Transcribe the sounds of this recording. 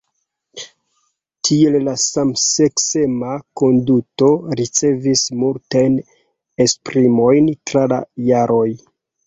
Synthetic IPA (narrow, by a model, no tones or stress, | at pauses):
tʰie̞llasamsekse̞mako̞nduto̞ɾit͡se̞vismultajn | e̞spɾimo̞jntɾala̰jaɾʔo̞j